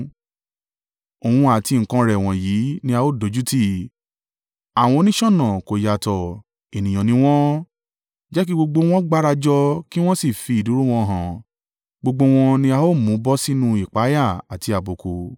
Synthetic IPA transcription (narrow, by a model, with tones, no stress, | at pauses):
o˨hũ˧a˨ti˧ŋ̩˨kã˧ɾɛ˨w̃ɔ̃˨ji˨˦nĩ˧˦a˧o˦˨do˨˦d͡ʒu˦ti˦ | a˨w̃ɔ̃˧o˧˦nĩ˦ʃɔ̃˦˨nã˨ko˨ja˨tɔ˨ | e˨nĩ˨j̃ɔ̃˨nĩ˨˦w̃ɔ̃˦ | d͡ʒɛ˦k̬i˦ɡ͡bo˧ɡ͡bo˧w̃ɔ̃˦ɡ͡ba˦ɾa˧d͡ʒɔ˧ki˦w̃ɔ̃˦si˦˨fi˧i˨du˨˦ɾu˦˨w̃ɔ̃˧ɦã˨ | ɡ͡bo˧ɡ͡bo˧w̃ɔ̃˧nĩ˧˦a˧o˦mũ˨˦bɔ˦si˦nũ˦i˨k͡pa˨˦ja˦˨a˨ti˨˧a˨bo˨ko˧